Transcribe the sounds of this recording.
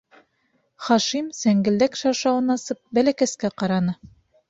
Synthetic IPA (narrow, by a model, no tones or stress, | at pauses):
χɑʃimsæŋɡɘ̆ld̪ækʃɑɾʃɑwɤnɑsɤp̚bælækæskæqɑɾɑnɤ